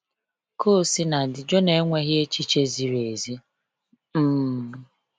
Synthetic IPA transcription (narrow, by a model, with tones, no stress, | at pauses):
kʰo˦˨si˦na˨dɪ˨d͡ʒo˦ne˨˦ŋʷe˦ɣje˦t͡ʃi˦t͡ʃe˦zi˨ɾe˨zi˦ | m̩˦˨